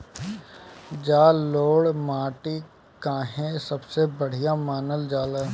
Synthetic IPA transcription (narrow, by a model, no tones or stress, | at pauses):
d͡ʒaːloːɽmaːʈi | kãːɦẽsəbsebəɽ̤ijamaːnəld͡ʒaːləː